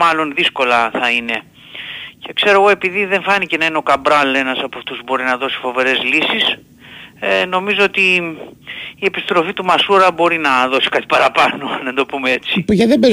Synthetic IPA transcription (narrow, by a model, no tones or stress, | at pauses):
mɐlo̞nðisko̞lɐθɐine̞ | ce̞kse̞ɾo̞ɣo̞e̞piðiðe̞nfɐnice̞nɐineo̞kɐbɾɐle̞nɐsɐpoɐft̪uzbo̞ɾinɐðo̞si̥fo̞ve̞ɾe̞zlisis | no̞mizo̞ot̪i | e̞pist̪ɾo̞fit̪umɐsuɾɐbo̞ɾinɐðo̞si̥kɐt̪i̥pɐɾɐpɐno̞ɐnðend̪o̞pumee̞t͡sipʝɐðebe